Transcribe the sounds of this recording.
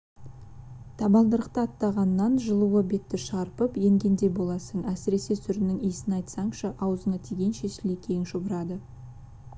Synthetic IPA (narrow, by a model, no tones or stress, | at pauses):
t̪ʰɑbɑlˠd̪əɾəq̚t̪əɑt̪ːɑʁɑnːɑnʒəlˠuəbe̞t̪ːɪʃɑɾpəpje̞ŋɡʲe̞nd̪e̞bo̞lˠɑsəɴæsɪɾe̞se̞sʰʏɾɪnɪŋijsɪnɑjt̪sɑɴʃəʔɑwəzəɴɑt̪ʰeɡʲe̞nʃe̞ʃɪlekʲʰe̞jɪnʃobəɾɑd̪ə